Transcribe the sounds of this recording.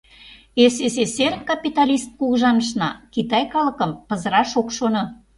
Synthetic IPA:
eses̬eserkɑpit̪ɑlʲist̪̚kuɣʒɑnəʃ̬nɑkit̪ɑjkɑləkə̆mpə̆zəɾɑʃokʃono

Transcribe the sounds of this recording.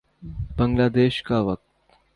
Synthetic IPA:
bəŋɡlad̪eːɕkaʋək̚t̪

